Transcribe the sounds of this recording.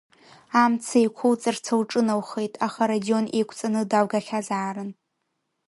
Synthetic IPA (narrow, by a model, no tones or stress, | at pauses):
amt͡sʰejkʷʰʊwt͡sʼɨrt͡sʰawʈ͡ʂʼɨnawχejtʼaχaɾadio̞nejkʷʰt͡sʼanɨdawɡaχʲazaːɾɨn